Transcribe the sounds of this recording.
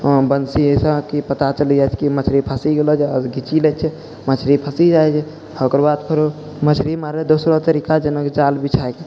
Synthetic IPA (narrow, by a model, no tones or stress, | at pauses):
bənsisə̃kipət̪at͡ʃəlid͡ʒajt͡ʃʰkimət͡ʃʰɾipʰəsiɡelɔd͡ʒeəɡʱit͡ʃilɛt͡ʃʰɛ | mət͡ʃʰɾipʰəsid͡ʒajt͡ʃʰɛ | hokɾbad̪pʰəɾo | mət͡ʃʰɾimaɾed̪osɾot̪əɾikad͡ʒənəkd͡ʒalbit͡ʃʰajke